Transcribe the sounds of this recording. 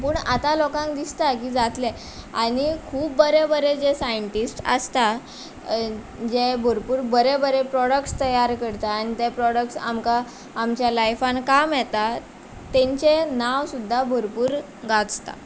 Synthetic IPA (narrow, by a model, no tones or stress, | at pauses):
puːɳat̪alɔkãŋkd̪ist̪akiːd͡zat̪le | aɽ̃ikʰuːbːəɾebəɾed͡zesajəɳʈisʈə̰st̪a | d͡ʑebʱuɾpuːɾbəɾebəɾepɾɔɽəkʈst̪əjaɾkəɾt̪aːɽ̃it̪epɾɔɽəkʈsa̰mkaː | mt͡ɕjalajfankamjɛt̪a | t̪ẽɲt͡ɕenaʋsud̪ʱːabʱuɾpuːɾ | ɡat͡st̪a̰